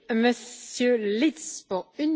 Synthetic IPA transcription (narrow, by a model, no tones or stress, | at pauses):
məsjølit̪spuʁyn